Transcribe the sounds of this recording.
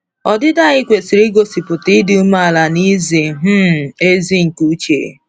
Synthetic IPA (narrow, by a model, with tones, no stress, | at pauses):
ɔ˨dɪ˦da˦˨ɲɪ˦kʷe˨si˨ɾi˦ɡo˦si˨pʊ˨tɪ˦dɪ˦u˦ma˦a˨la˨ni˦zi˨ɦ̩˦e˦zi˦ŋ̩˨ku˦t͡ʃḛ˨